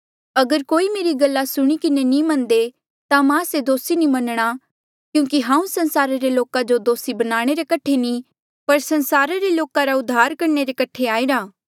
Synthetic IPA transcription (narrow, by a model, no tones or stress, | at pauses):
ɐɡəɾkoːimeːɾiɡɐlːasʊɽ̃ikɪnenĩmɐ̃nd̪e | t̪amãsed̪oːsinimɐnɽ̃a | kjũːkiɦãːũsɐ̃nsaːɾaɾeloːkad͡ʒod̪oːsibɐnaːɽ̃eɾekɐʈʰeni | pɐɾsɐnsaːɾaɾeloːkaɾaʊd̪ʱːaːɾkɐɾɳeɾekɐʈʰeaːiɾaː